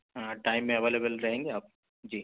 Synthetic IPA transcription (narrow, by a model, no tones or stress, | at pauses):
ɦãʈaːɪmːẽɐʋeːlebəlɾɐɦẽːŋɡeaːp̚ | d͡ʒiː